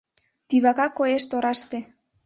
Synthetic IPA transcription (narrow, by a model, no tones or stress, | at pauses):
t̪iβakakoeʃt̪oɾɑʃt̪e